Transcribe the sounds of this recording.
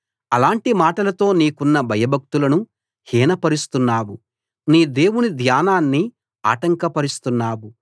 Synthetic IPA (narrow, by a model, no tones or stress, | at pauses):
ɐlaːɳʈimaːʈɐlɐt̪o̞ːniːkunːɐbʱɐjɐbʱɐk̚t̪ulɐnu | hiːnɐpɐɾist̪unːaːwu | niːd̪e̞ːwunid̪ʱjaːnaːnːi | a̰ːʈɐŋkɐpɐɾist̪unːaːwu